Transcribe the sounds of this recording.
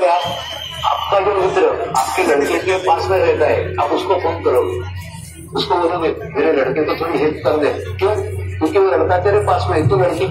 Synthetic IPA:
aː | a̰ːp̚kaɦimot̪ɾoa̰ːp̚kelɐɽkekepaːsmẽɾɛɦt̪aɦɛ̰aːpʊskopʰoːnkɐɾoɡe | ʊskobɐnoɡe | meːɾelɐɽkẽkot̪ʰoːɾiɦeːt̪kɐɾd̪ẽkjõːkjõːkiʋolɐɽkat̪eːɾepaːsmẽt̪õlɐɽke

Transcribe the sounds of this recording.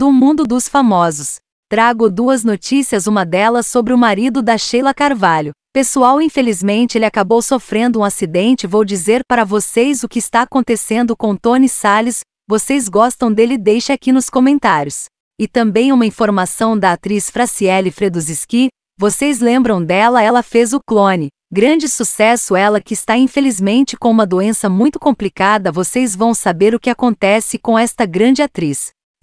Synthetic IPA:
d̪ʊmũnd̪ʊd̪ʊsfamɔzʊs | t̪ɾaɡʊd̪uɐznot͡ʃisiɐzũmɐd̪ɛlɐsobɾɪʊmaɾid̪ʊd̪ɐʃejlɐkaɾvalʊpesuawĩfelizmẽnt͡ʃɪelɪakabowsofɾẽnd̪ʊũasid̪ẽnt͡ʃɪvowd͡ʒizeɾpaɾɐvosejzʊkɪɪst̪aːkõnt̪esẽnd̪ʊkõw̃t̪õnisalɪs | vosejzɡɔst̪ɐ̃w̃d̪elɪd̪ejʃakinʊskõmẽnt̪aɾjʊs | ɪt̪ɐ̃mbẽj̃ũmɐĩfoɾmasɐ̃w̃d̪ɐat̪ɾisfɾasiɛlɪfɾed̪uziski | vosejzlẽmbɾɐ̃w̃d̪ɛlɐɛlɐfezʊklõnɪ | ɡɾɐ̃nd͡ʒɪsusɛsʊɛlɐkɪːst̪aĩfelizmẽnt͡ʃɪ̥kõũmɐd̪oẽsɐmũj̃t̪ʊ̥kõmplikad̪ɐvosejzvɐ̃w̃sabeɾʊkɪakõnt̪ɛsɪkõw̃ɛst̪ɐɡɾɐ̃nd͡ʒɪat̪ɾis

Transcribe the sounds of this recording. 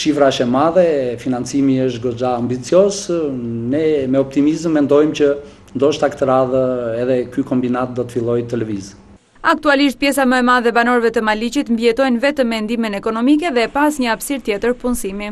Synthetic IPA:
ʃifɾaəʃɛmaðɛfinant͡simiəʃt̪ɡɔd͡ʒaːmbit͡siɔsnɛmɛɔp̚t̪imizəmːɛnd̪ɔjmcə | nd̪ɔʃt̪akət̪əɾaðəɛðɛkykɔmbinat̪̚d̪ɔt̪ə̥filˠɔjt̪əlɛviz | ak̚t̪ualiʃt̪̚pjɛsaməɛmaðɛbanɔɾvɛt̪əmalit͡ɕit̪mbjɛt̪ɔjnvɛt̪əmːɛnd̪iminɛkɔnɔmik̬ɛðɛpasɲəafsiɾt̪jɛt̪əɾpunsimi

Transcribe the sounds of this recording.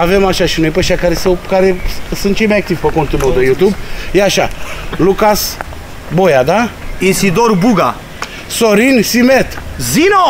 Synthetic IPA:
ave̞maʃaʃinojpeʃakaɾesɐwkaɾe̞sɨnt̪̚t͡ʃe̞jmajak̚t̪ivpəkont̪unod̪ejut̪ubjeaʃalukas | bo̞jad̪ainsid̪orbuɡa | soɾinsimet̪zino

